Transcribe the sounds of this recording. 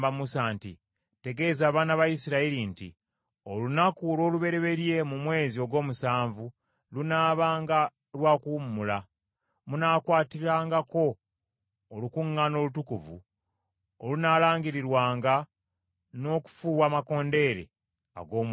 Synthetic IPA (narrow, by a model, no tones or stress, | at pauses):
bamusantḭ | te̞ɡe̞ːzaːβaːnaβajisiɾaiɾintḭ | olunakuɾo̞ːluβe̞ɾe̞βe̞ɾje̞mumwe̞ːzio̞ɡwo̞ːmusaːɱvu | lunaːβaːŋɡa | lwaːkuːmːula | munaːkwaːtiɾaːŋɡako̞ː | lukuŋːano̞ːlutukuvṵ | olunaːlaːŋɡiɾiɾwaːŋɡa | no̞ːku̥fuːwaːmako̞ːnde̞ːɾe̞̰ | a̰ɡo̞ːm